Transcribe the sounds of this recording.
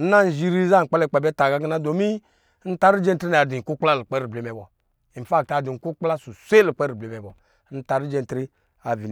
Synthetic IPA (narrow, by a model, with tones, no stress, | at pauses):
n̩˦na˦n̩˨ʒi˦ɾi˦za˦ŋ̩˨k͡pɛ˦lɛ˦˨k͡pɛ˨bɛ˦ta˨ɡa˦ɡi˦na˦do˨mi˦ | n̩˦ta˦ɾi˦d͡ʒe˦n̩˨tɾi˦a˨a˨di˨ŋ̩˨ku˦k͡pla˦lu˨k͡pɛ˦ɾi˨ble˨˦mɛ˨bɔ˨ | i˨fa˦˨k̚ta˨du˨ŋ̩˨ku˦k͡pla˦su˨sʷe˦li˨k͡pe˦ɾi˨be˨˦mɛ˨bɔ˨ | n̩˦ta˨ɾi˦d͡ʒe˦n̩˨tɾi˦ | a˨vi˨n